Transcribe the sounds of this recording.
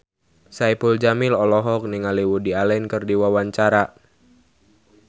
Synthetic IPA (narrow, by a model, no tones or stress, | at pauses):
saipuld͡ʒamɪlɔlɔɦɔk̚niŋaliwudialɛnkɨrdiwawaɲt͡ʃaɾa